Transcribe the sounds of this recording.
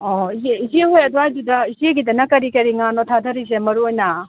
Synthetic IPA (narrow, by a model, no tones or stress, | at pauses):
oizeizieɦojɐduajdudɐizeɡidɐnɐkɐɾikɐɾiŋanotʰadʱɐɾizemɐɾuojnɐ